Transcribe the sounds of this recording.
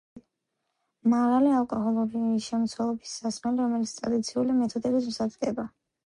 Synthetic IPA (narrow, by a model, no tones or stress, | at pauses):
maʁalialkʼɔɦɔlˠɔbiisʃɛmt̪sʰwɛlˠɔbisːasmɛliɾɔmɛlit̪sʰt̪ʼɾad̪it̪sʰiulimɛt̪ʰɔd̪ɛbism̩sad̪ɡɛba